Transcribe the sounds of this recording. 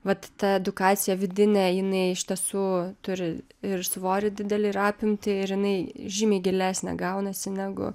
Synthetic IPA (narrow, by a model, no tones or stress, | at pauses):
ʋɐt̪t̪ɐɛd̪ʊkɑːt͡ssʲɪjɛʋʲɪd̪ʲɪnʲɛjɪnɐɪɪʃʲt̪ʲiɛsuːt̪ʊɾʲɪ | ɪrsʋoːɾʲɪd̪ʲɪd̪ʲɛlʲɪɪɾɑːpʲɪmʲt̪ʲɪɪɾjɪnɐɪʒʲiːmʲɛɪɡʲɪlʲæːsʲnʲɛ̰ɡɐʊnɐsʲɪnʲæːɡʊ̰